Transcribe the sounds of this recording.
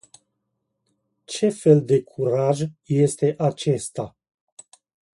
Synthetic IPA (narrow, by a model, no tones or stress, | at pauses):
t͡ʃe̞fe̞ld̪e̞kʰuɾaʒje̞st̪e̞ʔat͡ʃe̞st̪a